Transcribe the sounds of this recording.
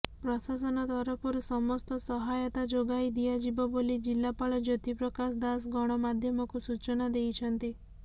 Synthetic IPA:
pɾɔsas̬ɔnɔt̪ɔɾɔpʰuɾɔsɔmɔst̪ɔsɔɦajɔt̪ad͡ʒoɡajd̪iad͡ʒibɔbolid͡ʒilːapaɭɔd͡ʒɔt̪ipɾɔkasd̪as̬ɡɔɽ̃ɔmad̪ʱjɔmɔkusut͡ʃɔnad̪ejt͡ʃʰɔnt̪i

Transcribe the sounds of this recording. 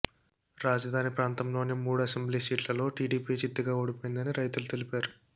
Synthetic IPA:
ɾaːd͡ʒɐd̪ʱaːnipɾaːnt̪ɐmlo̞ːnimuːɽuɐsembliːsiːʈlɐlo̞ːʈiːɖiːpit͡ʃid̪ːɐɡaːoːɽipojind̪ɐniɾɐjt̪ulut̪elipaːɾu

